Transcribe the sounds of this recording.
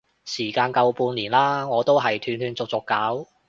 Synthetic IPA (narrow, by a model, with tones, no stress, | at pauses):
siː˨˩kaː˧nkɐ˧wpuː˧nliː˨˩nlaː˥ŋɔː˨˧t̪o˥wɦɐ˨jt̪ʰyː˧nʰyː˧nt͡sʊ˨k̚t͡sʊ˨kːaː˨˥w